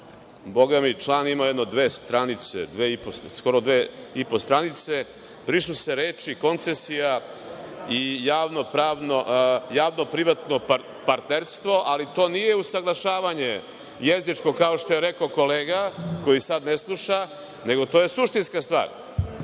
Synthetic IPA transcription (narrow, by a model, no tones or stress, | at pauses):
bo̞ɡamit͡ʃlˠaːnimajed̪nod̪ʋe̞ːst̪ɾanit̪sḛd̪ʋeipossko̞ɾod̪ʋeipost̪ɾanit̪se | pɾisuseɾe̞ːt͡ʃiko̞nt̪sesija | ijaːʋnopɾaːʋnoʔjaːʋno̞pɾiʋat̪nop | paɾt̪neɾst̪ʋo̞ʔalit̪o̞ːnije̞usaɡlˠaʃaːʋaɲe | jezit͡ʂko̞kao̞ʃt̪o̞jeɾekoko̞leːɡako̞jisad̪neslˠuʃa | ne̞ɡo̞t̪oje̞suʃt̪inskast̪vʋa̰ːɾ